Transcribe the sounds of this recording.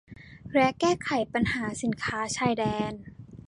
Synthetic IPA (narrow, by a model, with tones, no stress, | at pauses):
ɾɛ˦˥kɛː˥˩kʰa˨˩˦jpa˧nhaː˩˦si˨˩˦nkʰaː˦˥t͡ɕʰaː˧˩jdɛː˧n